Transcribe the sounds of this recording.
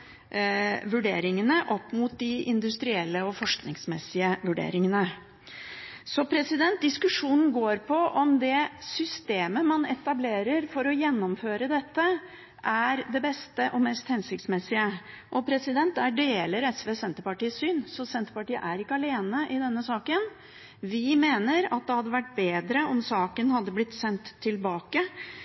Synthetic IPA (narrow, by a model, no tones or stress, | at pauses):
ʋʉɖeːɾɪŋənəʔɔpːmʊt̪̚d̪ɪɪnd̪ʉst̪ɾɪɛlːəɔfɔʂknɪŋsmɛsɪəʋʉɖḛːɾɪŋənə | sɔpʰɾɛsɪd̪ɛnt̪̚d̪ɪskʉʂuːnn̩ɡoːɾpʰɔʔɔmd̪ɛsʏst̪eːməmɑnɛt̪ɑbleːɾəɾfɔɾɔjɛnːɔmføːɾəd̪ɛt̪ːə | ʔæɾd̪ɛbɛst̪əʔɔmɛːst̪hɛnsɪk̚t̪smɛsːɪə | ʔɔpʰɾɛsɪd̪ɛnt̪æɖeːləɾɛsʋeːsɛnt̪əɾpɑʈiːsyːnsɔsɛnt̪əpɑʈiːə̰ʔæɾɪkːəɑleːnəʔɪd̪ɛnːəsɑːkən | ʋɪmeːnəɾɑ̰t̪̚d̪ɛhɑd̪ːəʋæʈ̚ːbeːd̪ɾəʔɔmsɑːkənhɑd̪ːəblɪt̪ːsɛnt̪ʰːɪlbɑːkə